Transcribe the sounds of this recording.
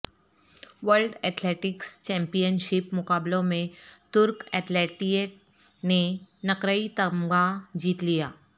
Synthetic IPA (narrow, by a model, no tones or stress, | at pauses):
ʋəɾlɖɛːt̪ʰleʈɪkst͡ɕɛ̃mpijənʃɪpmʊkaːblõmẽt̪ʊɾkɛt̪leʈieʈ | nenɐkɾəit̪əmɡad͡ʑiːt̪lijaː